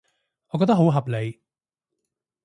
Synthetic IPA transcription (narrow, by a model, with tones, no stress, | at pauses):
ʔɔː˨˧kɔː˧˥t̪ɐ˥ɦo˨˥wɦɐ˨p̚le˨j